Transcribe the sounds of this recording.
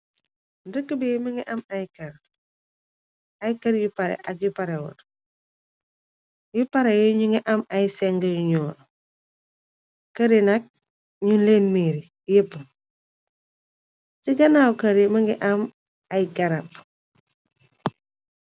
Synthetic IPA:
ndəkːəbɛːmɐŋɡiʔɐmɐjkɐɾ | ɐjkɐɾjupɐɾɛ̰ʔɐk̚jupɐɾɛwɔ̰r | jupɐɾɛjɛɲuŋɡiʔɐmɐjsɛŋɡɐjuɲuw | kːɐɾinɐk̚ | ɲunleːnmiːɾi | jəpːə | siɡɐnawkɐɾimɐŋɡiʔɐm | ɐjkɐɾɐp

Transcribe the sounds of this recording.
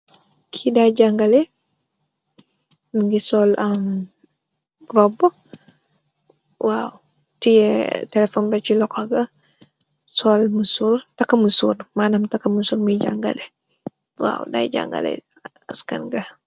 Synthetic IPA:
kʰidajɟaŋɡalɛ | ɡisɔlam | ɾɔbo | waw | tijɛtɛlɛfɔnbɛt͡ʃilɔkaɡɐ | sɔlmusurtakːɐmusuɾmaːnamtakːɐmusuːɾmiɟa̰ŋɡa̰lɛ | wa̰wda̰jɟa̰ŋɡa̰lɛ̰ | ɐskɐ̰nɡɐ

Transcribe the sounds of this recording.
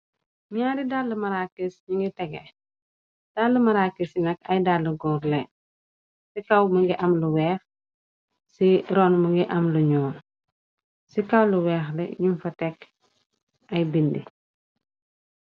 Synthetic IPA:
ɲaːɾidalːəmɐɾakːisɲuŋɡitɛɡɛ̰ | d̥aːlːəmɐɾakːisinɐkɐjdaːləɡɔːɾlɛ | sikɐwmɐŋɡiʔɐmluwɛːx | siɾɔnmɐŋɡiʔɐmluɲɔːn | sikɐwluwɛːxlɛ̰ɲumfɐtɛk | ɐjbindḭ

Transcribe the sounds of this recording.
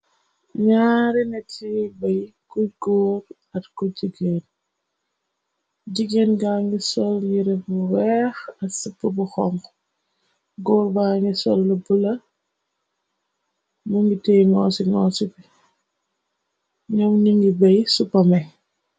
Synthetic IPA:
ɲaːɾinɐtibɐjkuɡɔːɾ | ɐtkuɟiɡen | ɟiɡenɡaŋɡisɔljiɾɛbuwɛxɐsupːəbuxɔŋ | ɡɔːɾbaŋɡisɔlːubulɐ | muŋɡiteːjŋɔsiŋɔsupi | ɲɔmniŋɡibɐjsupːɐmɛ

